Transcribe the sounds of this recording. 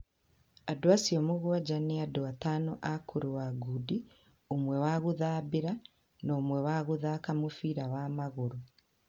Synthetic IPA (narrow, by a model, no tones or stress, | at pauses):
adwaːsiomuɣwaɟaniaduatanoʔakʰuɾuwaɡudi | omwewaːɣuðaːbiɾa | nomwewaːɣuðaːkamufiːɾawaːmaɣuɾu